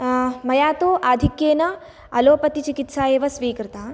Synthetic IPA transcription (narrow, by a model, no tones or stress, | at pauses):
mɐjaːt̪oːʔaːd̪ʱikjeːnɐ | ɐ̰loːpɐt̪it͡ʃikit̪saːjeːʋɐsʋiːkɾɨt̪aː